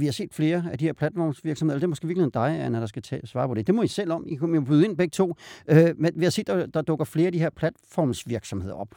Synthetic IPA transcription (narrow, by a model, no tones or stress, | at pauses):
ʋihɑse̝̰ːd̥fle̝ːɐæd̥iheɐ̰pʰlæd̥fɒ̰ːmsʋiɐ̥smheðˠldemɔsɡ̥e̝ːʋiɐlhḛnd̥ɑ̈ɪæɐnɒɾ̥ɑ̈sɡ̥æt͡sʰɛsʋɑ̈ːpʰɒ̽d̥e̝d̥e̝mɔ̽isel̰ɒ̽mikʰmmobyð̞̩ˠe̝nb̥eɡ̥ət͡sʰo̝̰ːømenʋehɑse̝̰ːd̥ɑd̥ɑ̈d̥ɔ̽ɡ̥ɐfle̝ːɐæd̥iɦeɐ̰pʰlæd̥fɒːmsʋiɐɡ̥sɒ̽mhe̝ðˠɐɒ̽b̥̚